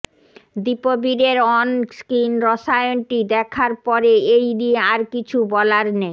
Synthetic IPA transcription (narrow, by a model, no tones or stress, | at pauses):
d̪ipobiɾeɾɔnskinɾɔʃajonʈid̪ɛkʰaɾpɔɾeejnieaɾkit͡ɕʰubɔlaɾne